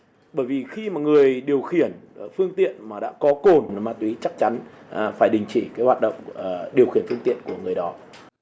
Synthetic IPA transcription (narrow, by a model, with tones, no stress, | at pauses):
ɓəː˧˩jvi˨˩xi˧maː˨˩ŋɨ˨˩əjɗi˨˩əwxi˧˩ənfɨ˧əŋt̪ḭ˧˨ənmaː˨˩ɗa̰ː˧˥kɔ˨˦ko˨˩n˨˦maː˧˩t̪wi˨˦t͡ɕa˦˥k̚t͡ɕa˨˦nː˨˩ | faː˧˩jɗï˨˩ŋ̟t͡ɕi˧˩kaː˨˦jhwaː˨˩t̚ɗə̰˧˨wŋ͡mːɗi˨˩əwxi˧˩ənfɨ˧əŋt̪ḭ˧˨ənku˧˩əŋɨ˨˩əjɗɔ˨˦